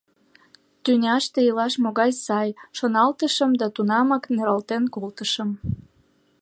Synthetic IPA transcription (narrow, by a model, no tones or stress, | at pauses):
t̪ynʲɑʃt̪eilɑʃmoɣɑjsɑjʃonɑlt̪əʃəmd̪ɑt̪unɑmɑkneɾɑlt̪enkolt̪əʃəm